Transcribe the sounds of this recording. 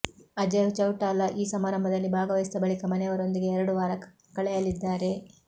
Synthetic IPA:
ɐd͡ʒɐʋt͡ʃɐwʈaːlɐʔiːsɐmaːɾɐmbʱɐd̪ɐlːibʱaːɡɐʋɐjisid̪ɐbɐɭikɐmɐnɛjɐʋɐɾo̞nd̪iɡe̞ːɾɐɽuʋaːɾɐ | kɐɭɛjɐlid̪ːaːɾe̞

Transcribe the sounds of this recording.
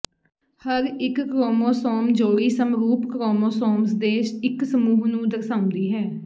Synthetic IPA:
həɾɪkːɾoːmoːsɔːmd͡ʒoːiːsəmɾuːpkɾoːmoːsɔːms̬d̪eːʃɪksəmuːɦnũːd̪əɾsãːʊ̃nd̪iːɦɛː

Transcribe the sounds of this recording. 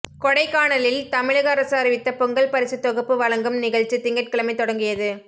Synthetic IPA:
kɔɽɐɪkːaːɳɐlɪlt̪ɐmɪɻɐɣɐːɾɐsɯɐːɾɪʋɪt̪ːɐpɔŋɡɐɭpɐɾɪsɯt̪ːɔɣɯpːɯʋɐɭɐŋɡɯmnɪɣɐɻt͡ʃːit̪ɪŋɡɐʈ̚kɪɭɐmɐɪt̪ːɔɽɐŋɡɪjɐðɯ

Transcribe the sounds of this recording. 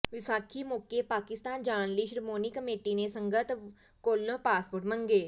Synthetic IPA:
ʋɪsaːkʰimokepaːkɪst̪aːnd͡ʒaːnliʃɾmoːnikəmeːʈinesə̃ŋɡət̪ | koːlːõːpaːspoʈmə̃ŋɡeː

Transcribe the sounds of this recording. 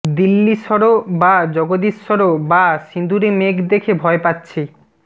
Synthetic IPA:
d̪ilːiʃɔɾobad͡ʑɔɡod̪iʃɔɾobaʃind̪uɾemekd̪ekʰebʱɔepatːɕʰe

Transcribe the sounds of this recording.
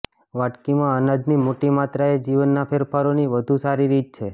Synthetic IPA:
ʋaʈkimãənad̪nimoʈimat̪ɾaed͡ʒiʋənːapʰeɾfʰaɾoniʋəd̪ʱusaɾiɾit̪̚t͡ʃʰe

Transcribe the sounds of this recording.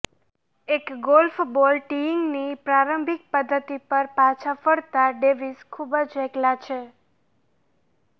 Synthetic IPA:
ekɡolfbɔlʈiɪŋɡnipɾaɾəmbʱik̚pəd̪ʱːət̪ipəɾpat͡ʃʰafəɽt̪aɖeʋiskʰubəd͡ʒɛklat͡ʃʰe

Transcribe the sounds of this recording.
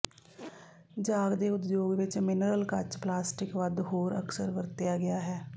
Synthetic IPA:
d͡ʒaːɡd̪eːʊt̪d͡ʒjoːɡʋɪt͡ʃmɪnəɾəlkət͡ʃplaːsʈɪkʋəd̪ɦoːɾə̰ksəɾkəɾt̪ɪjaːɡɪjaːɦɛː

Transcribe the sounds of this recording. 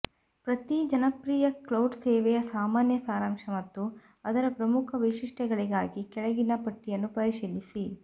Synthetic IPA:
pɾɐt̪id͡ʒɐnɐpɾiːjɐklɐwɖsɛːʋɛjɐsaːmaːnjɐsaːɾaːmʂɐmɐt̪ːu | ɐd̪ɐɾɐpɾɐmukʰɐʋiʂiʂʈɛɡɐɭiɡaːɡikɛɭɐɡinɐpɐʈːijɐnːupɐɾiʃiːlisi

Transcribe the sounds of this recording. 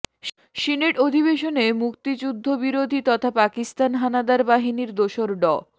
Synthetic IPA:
ʃineʈod̪ʱiβeʃonemukt̪id͡ʑud̪ʱːobiɾod̪ʱit̪ɔt̪ʰapakist̪anɦanad̪aɾbaɦiniɾd̪oʃoɾɖɔ

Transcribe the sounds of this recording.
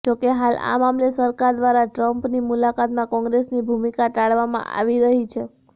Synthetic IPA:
d͡ʒokeɦala̰mamlesəɾkaɾd̪ʋaɾaʈɾəmpnimulakat̪mãkɔ̃ŋɡɾesnibʱumikataɭʋamã̰ʔa̰ʋiɾəɦit͡ʃʰe

